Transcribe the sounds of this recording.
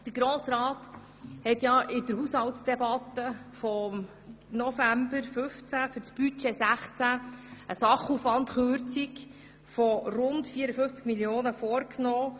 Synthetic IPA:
d̥əɾɡ̥ɾoːsɾɑːt̪ | hɛt̪jɑʔɪdəɾhushɑltsd̥ɛbɑt̪əfɔm | nɔfæmbəɾfɵft͡sæfʏɾt͡sb̥yt͡ʃesæχt͡sæəsɑχuːfʋɑntχøɾt͡sɪk | fɔrʊndfiəɾəfɵft͡skmiljoːnəfɔːɾknɔː

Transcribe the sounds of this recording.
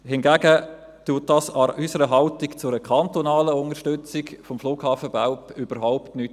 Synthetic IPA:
hɪnɡæɡə | tuːt̚dɑːsɑɾʔysəɾəɦɑltikt͡sʊɾəkʰɑntɔnɑːləʊnəʃtʏt͡sɪkfɔmfluːɡhɑːfəb̥aʊpʏb̥əɾɦaʊptnyːt

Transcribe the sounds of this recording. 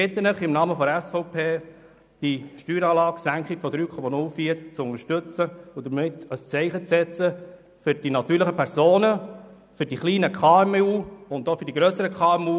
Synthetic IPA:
ɪt̪ənəχɪmnɑːməfɔdɛsfɔʊpʰeː | d̥iʃtyːɾɑːlɑːɡ̥sæŋkχikfɔd̪ɾyːkʰɔmɑnʊlfiːəɾt͡sʊŋəʃtɵt͡səʊd̪əɾmɪtəst͡sɛɪχət͡sɛt͡sə | fʏɾd̥inɑt̪yːɾləχəpʰɛɾsoːnə | fʏɾdiχliːnəkʰχɑːɛmuːʊnd̪ofʏɾd̥iɡɾœsəɾəkʰχɑːɛmuː

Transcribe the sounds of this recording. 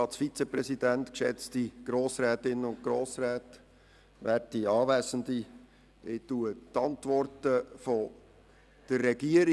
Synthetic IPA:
ɑsfit͡sɛpɾɛsidæntkʃɛ̰t͡stiɡ̥ɾoːsɾɛːt̪ɪnːəʊnt̚ɡ̥ɾoːsɾɛːt | ʋæːtiɑːvæːsən̩di | ɪtuətɑntvʋɔrtəfɔ | d̥ərːɛɡiəɾi

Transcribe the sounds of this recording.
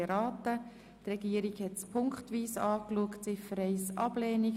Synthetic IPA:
ɾɑːt̪ə | trɛɡiːəɾiɡhɛtspʰʊŋkχtʋiːsɑːkluəktsɪfəɾɛɪsɑb̥lɛːni

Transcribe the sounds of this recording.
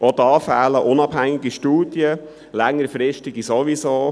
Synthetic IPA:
ʔodɑːfæːləʔʊnɑb̥hæŋɪɡiʃtuːd̥jə | læŋːəɾfɾɪʃtɪɡisoʋisoː

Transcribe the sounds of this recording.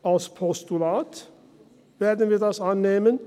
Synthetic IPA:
ɑspʰɔst̪ʉlɑːt̪ | ʋæɾd̪ən̩ʋɪd̪ɑsɑnːɛmən

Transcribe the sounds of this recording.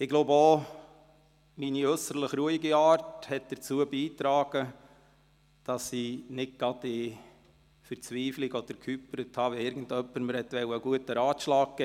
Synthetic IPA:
ɪɡloːbəo | miːniœsəɾləχɾuəiɡiɑːɾthɛt̚d̥əɾt͡suːəbiːtɾɑːɡ̥ə | d̥ɑsinɪt̚ɡ̥ɑd̪ɪ | fəɾt͡sʋiːfliɡɔd̥̪əɾkʰhypɾəthɑːʋiɪɾɡən̩dœpːəɾməɾhɛtʋɛwəɡuətəɾɑːtʃlɑːk̚kɛ

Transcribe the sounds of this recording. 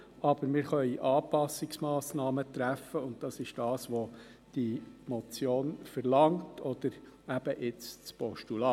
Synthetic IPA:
ʔɑb̥əɾmɪːɾχœʏiʔɑːpɑsːɪksmɑːsnɑːmətɾæfːəʊnt̚d̥ɑsɪʃd̥ɑːsʋo | d̥imɔt͡sjoːnfɛɾlɑŋtʰɔd̥̪əɾ | æb̥əʔɪt͡st͡spɔʃtulɑ

